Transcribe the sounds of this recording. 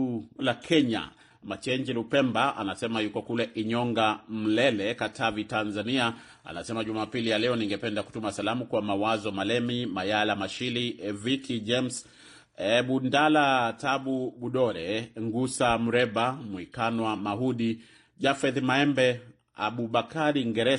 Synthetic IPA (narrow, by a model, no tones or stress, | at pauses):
lakʰɛɲa̰ | mat͡ʃɛɲd͡ʒilupɛmbaʔa̰nasɛmajukɔkulɛʔiɲɔŋɡam̩lɛlɛkatʰavitanzania | a̰nasɛmaʄumaːpilijalɛɔniŋɡɛpɛndaku̥tumasalamukwamawazɔmalɛmimajalamaʃilivitʰid͡ʒɛms | ɓundalataɓuɓuɗɔɾɛŋɡusam̩ɾɛɓamwikanwamaɦuɗi | ʄafɛðmaɛmbɛ | a̰ɓuɓakaɾiːŋɡɛɾɛ